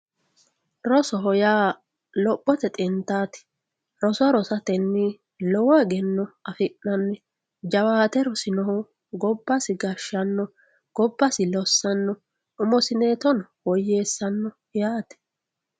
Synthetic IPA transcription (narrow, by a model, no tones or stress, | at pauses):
ɾɔsɔɦɔjaː | lɔpʼːɔt̪ɛt̪ʼɪnt̪aːt̪ɪ̥ | ɾɔsʊɐɾɔsɐt̪ɛnːɪ | lɔwɔɛɡɛnːɔɐfɪʔːɐnːɛ | d͡ʒɐwaːt̪ɛɾɔsɪnɔɦɔ | ɡɔbːɐsɪɡɐʃːɐnːɔ | ɡ̥ɔbːɐsɪlɔsːɐnːɔ | ʊmɔsɪneːt̪ɔnwɔjːe̞ːsːɐnːɔ | jaːt̪ɛ̥